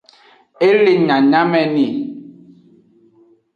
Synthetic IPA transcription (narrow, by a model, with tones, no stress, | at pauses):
e˦le˨ɲã˨ɲa˦mɛ˨ni˨